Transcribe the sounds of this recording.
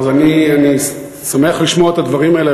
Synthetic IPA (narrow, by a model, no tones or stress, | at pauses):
zaniani | same̞aχliʃmoet̪ad̪vaʁimaele